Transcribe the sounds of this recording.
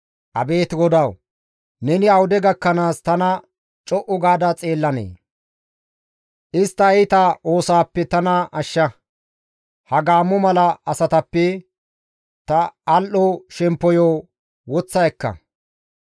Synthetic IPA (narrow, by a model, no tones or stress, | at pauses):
ʔɐ̰be̞ːt̪ɡɔd̪ɐw | nɛnɪɐwʊd̪ɛɡɐkːɐnaːst̪ɐnɐ | t͡ʃʼɔʔɔɡaːd̪ɐt͡sʼe̞ːlːɐnḛː | ʔɪst̪ːɐjt̪ɐʔo̞ːsaːpːɛt̪ɐnɐʔɐʃːɐ | hɐɡaːmːɔmɐlɐɐsɐt̪ɐpːɛ | t̪ɐːlʔɔʃɛmpːɔjoː | wɔt͡sːɐjkːɐ̰